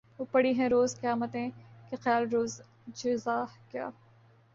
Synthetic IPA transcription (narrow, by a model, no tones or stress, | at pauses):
ʋoːpɐɽiɦɛ̃ɾoːzqɐjaːmət̪ẽkexjaːlɾoːz | d͡ʒɐzaːhkja̰ː